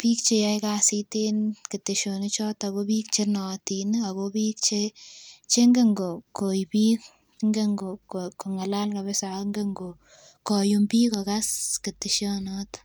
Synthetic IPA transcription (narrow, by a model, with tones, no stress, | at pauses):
pi˦k̚t͡ʃe˦jajkasitenki˨te˨ʃo˨ni˦t͡ʃɔ˦ta˨kobi˦k̚t͡ʃe˦nɔ˨tina˨kobiː˦k̚t͡ʃet͡ʃe˦ŋɡeŋɡo˨ko˨jpi˦k | ŋɡe˦ŋɡo˨koko˨ŋa˨la˦lka˨be˦sa˨ŋɡe˦ŋɡo˨ | kɔ˨jumpi˦ko˨kaski˨te˨ʃo˦nɔ˦t